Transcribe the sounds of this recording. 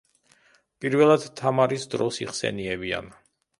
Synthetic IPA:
pʼiɾvɛlˠad̪̥t̪ʰːamaɾisd̪ɾɔsiχsɛ̰niɛbia̰n

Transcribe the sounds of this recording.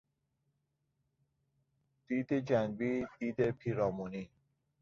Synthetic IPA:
d̪̥iːd̪ed͡ʒænbiːd̪̥iːd̪epʰiːɾɒːmuniː

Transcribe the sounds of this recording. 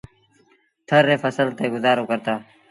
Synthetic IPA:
t̪ʰəɾːeːfəsəlt̪eːɡʊzaːɾoːkəɾt̪aː

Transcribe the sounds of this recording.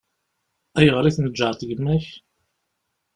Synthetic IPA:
æjəʁɾiθnəd͡ʒːəʕt̪ˤʝəmːæç

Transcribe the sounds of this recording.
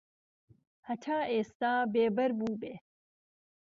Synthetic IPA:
hɐtʰaːʔeːst̪aːbeːbɐɾbuːbe

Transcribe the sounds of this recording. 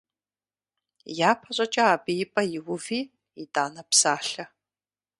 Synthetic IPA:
jaːpʰɐɕʷʼɐt͡ʃʼɐaːbɨjɪpʼɐjɪwʊviː | idaːnɐpsaːɬɐ

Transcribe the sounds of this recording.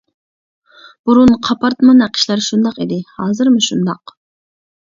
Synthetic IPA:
b̥uɾunqʰɑpʰɑɾt̪mɑnæqʰə̥ʃlˠɑɾʃund̪ɑqid̪ɪhɑːzɨɾmɨʃund̪ɑq

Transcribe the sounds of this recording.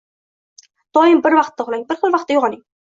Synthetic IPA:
d̪̥ɒjɪmbɪɾvɑqt̪ːaχʊlˠaŋʲbɪɾχɨlˠvɑq̚t̪ːajoʁɑnɪŋ

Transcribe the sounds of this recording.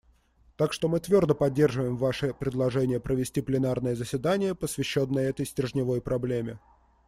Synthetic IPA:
t̪akʂt̪o̞mɨt̪vʲo̞rd̪əpɐdʲːe̞rʐɨvəjɪmvaʂɨpɾʲɪd̪lˠɐʐɛnʲɪjəpɾəvʲɪsʲtʲiplʲɪnarnəjəzəsʲvʲɪd̪anʲɪjəpəsvʲɪɕːo̞nːəjəɛt̪əjsʲtʲɪrʐnʲɪvo̞jpɾɐblʲemʲɪ

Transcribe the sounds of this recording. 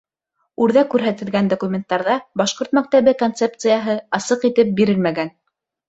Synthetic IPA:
ʉɾðækʉɾɦæt̪ɘ̆lɡænd̪okumʲent̪ːɑɾðɑbɑʃqoɾt̪mæk̚t̪æβɘkont̪sep̚t̪sɨjɑɦɤɑsɤqit̪ɘp̚biɾɘlmæɡæn

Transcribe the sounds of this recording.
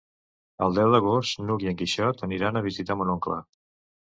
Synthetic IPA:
əlˠd̪ɛwd̪əɣost̪nuɣiəŋkiʃɔt̪əniɾanəβ̞izit̪amunoŋklə̰

